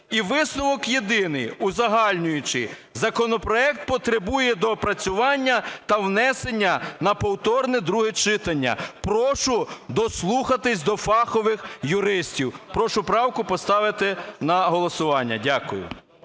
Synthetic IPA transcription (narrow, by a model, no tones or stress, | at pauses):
iʋɪsnʊʋɔkjed̪ɪnɪjʊzɐɦɑlʲnʲʊjʊt͡ʃɪzɐkɔnɔpɾɔɛkt̪̚pɔt̪ɾebujɛd̪ɔpɾɐt͡sʲʊʋɑnʲːɐt̪ɐwnɛsenʲːɐnɐpɔwt̪ɔrnɛd̪ɾuɦɛt͡ʃɪt̪ɐnʲːɐ̰pɾɔʃʊd̪ɔslˠuxɐt̪ɪsʲd̪ɔfɑxɔʋɪxjʊɾɪsʲtʲiwpɾɔʃʊpɾɑwkʊpɔst̪ɑʋɪt̪ɪnɐɦɔlˠɔsʊʋɑnʲːɐ̰dʲakʊjʊ̰